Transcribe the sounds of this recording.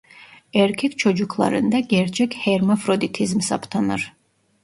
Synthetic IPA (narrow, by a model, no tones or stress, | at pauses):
ɛɾkʰɛkt͡ʃʰɔd͡ʒukʰlˠa̰ɾɨ̰nd̪aɡʲɛɾt͡ʃʰɛkʰʲhɛɾmɔfɾɔd̪it̪ʰizmsa̰pʰt̪ʰanaɾ